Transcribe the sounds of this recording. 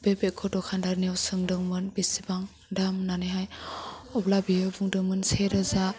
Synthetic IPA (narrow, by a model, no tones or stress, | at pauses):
b̥ebekʰɔdɔkʰandaɾniawsɯŋdɯŋmɯnbisibaŋ | damnanɯɦajɔblabijɯbuŋdɯŋmɯnseɾɯza